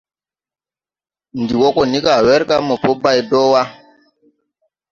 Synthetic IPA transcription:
ndi˨wɔ˦kɔ˦˨ni˦ka˨wɛ˦ɾka˦mɔ˨po˦ba˦˨jdɔ˦wa˦

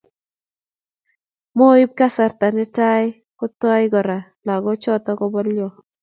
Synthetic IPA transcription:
mo˦ɪ˦b̚ka˦sa˨ɾta˨nɪ˦ta˦j | kʊ˦tɔ˦jɪɡɔ˨ɾa˨ | la˨ɡɔ˦t͡ʃɔ˦tɔ˦kɔ˦bɔ˦ljɔ˨

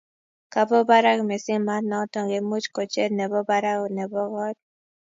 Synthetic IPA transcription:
ka˨bɔ˦ba˦ɾa˦kmɛ˨sɪ˦ŋma˦nɔ˨˦tɔ˨ŋɡe˨mu˦t͡ʃkɔ˨t͡ʃe˦dnɛ˨bɔ˦ba˦ɾa˦kɔ˨nɛ˨bɔ˦ɡɔ˦d̚

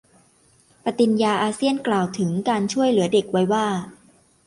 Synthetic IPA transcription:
pa˧˩t̪i˧njaː˧ʔaː˧si˥˩ənklaː˨˩wt̪ʰɯ˩˦ŋkaː˧nt͡ɕʰu˥˩əjlɯ˩˦ɐde˨˩k̚wa˦˥jwaː˥˩

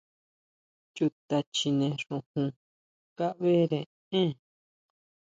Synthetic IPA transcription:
t͡ʃu˧t̪a˧t͡ʃi˧nẽ˧ʂũ˧hũ˧ | ka˦βe˦ɾẽ˨ | ẽ˦

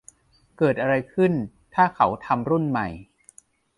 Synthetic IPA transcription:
kɤː˨˩t̪̚ʔa˧ɾa˧jkʰɯ˥˩n | t̪ʰaː˥˩kʰa˩˦wt̪ʰa˧mɾu˥˩nma˨˩j

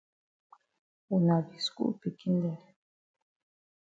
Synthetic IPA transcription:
ɛ˨na˨vi˨skṵ˦ʔpi˨ki˦nd̪ɛ˦˨

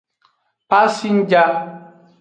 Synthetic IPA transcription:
pa˦si˦n˦d͡ʒa˦

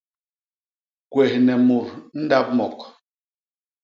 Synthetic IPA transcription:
kwɛ˨hnɛ˨mu˨ɾn̩˦da˦p̚mɔ˨k

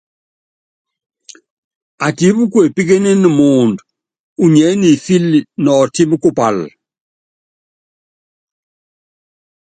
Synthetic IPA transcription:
a˨ti˨˦bu˦ku˦e˨pi˦ke˦ne˦ni˨mu˨nd | u˨ɲɛ˨˦ni˨fi˦lnɔ˨ti˦m˦ku˦pa˨l

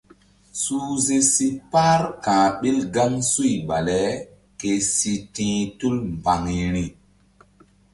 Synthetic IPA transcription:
su˦ze˦si˦pa˦ɾkãː˨ɓi˦lɡa˦ŋsu˦jɓa˨le˨˦ | ke˨si˨tĩː˦tu˦lmba˨ŋi˨ɾi˨

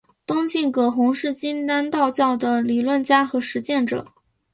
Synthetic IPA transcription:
t̪ʊ˥ŋt͡ɕi˥˩nkɤ˨˩xʊ˧˥ŋʂɻ̩˥˩t͡ɕi˥nt̪a˥nt̪ɑ˥˧ʊt͡ɕjɑ˥˩ʊd̪ə˩li˨˩lwə˥˩nt͡ɕja˥xɤ˧˥ʂɻ̩˧˥t͡ɕjɛ˥˩nʈ͡ʂɤ̰˨˩˦

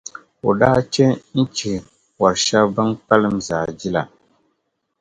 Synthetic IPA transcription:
o˨da˦t͡ʃe˦n̩˦t͡ʃi˨ | wa˨ɾʃa˦bɨ˦ŋpa˦lɨ˦mzaː˨d͡ʒi˦la˨

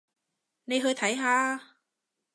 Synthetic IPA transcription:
ne˨˧jɦɵː˧jt̪ʰɐ˨˥jɦaː˧

